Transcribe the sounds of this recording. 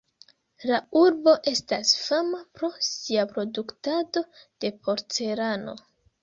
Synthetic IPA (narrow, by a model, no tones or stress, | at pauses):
lauɾbo̞ʔe̞stasfamapɾo̞siapɾo̞duktado̞d̥e̞po̞ɾt͡se̞ɾano̞̰